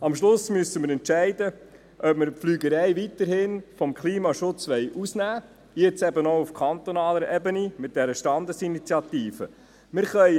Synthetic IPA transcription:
ɑmʃlʊsmyəsəmɪɾɛntʃæɪdə | ʔœpməɾpflyːɡəɾɛɪʋit̪əɾhɪnfɔmkʰliːmɑʃʊt͡sʋɛɪʔusnæː | jɛt͡sɛbənoʊufkʰɑnt̪onɑːləɾʔɛbənimɪt̚d̥ɛɾəʃtɑnd̪əsinit͡sjɑt̪iːfə | mɪɾχœʏ

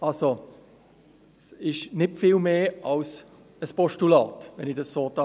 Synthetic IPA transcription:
also | sɪʃnɪtfiːlmeːɑls | əspɔʃtulɑːtvɛnɪd̥ɑsːoːtɑ

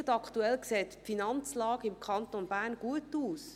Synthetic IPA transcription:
tɑkʰtuɛlkseːtpfinɑnt͡slɑːɡəɪmkʰχɑnt̪onbæːʁnɡ̥uətuːs

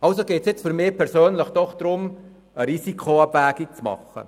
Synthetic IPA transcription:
ɑlsoɡeːtsjɪt͡sfyɾmɪːpʰɛɾsøːnləχd̥ɔχd̥ɾʊm | əɾisikʰoɑbvæːɡit͡smɑ̰χə̰

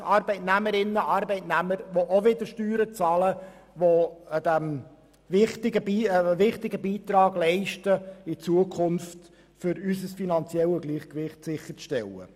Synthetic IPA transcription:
ɑɾbɛɪtnæməɾɪnːəʔɑɾbɛɪtnæməɾʋoʔoʋɪd̪əɾʃtyːɾət͡sɑlə | ʋod̥̪æm | vɪχtɪɡəbiːʋɪχtɪɡəbiːt̪ɾɑːɡlɛɪʃtəɪt͡suəkʰχʊnft | fʏɾysəsfinɑnt͡sjɛləɡliːχkʋɪχtsɪχːəɾt͡sʃtɛlːə̰

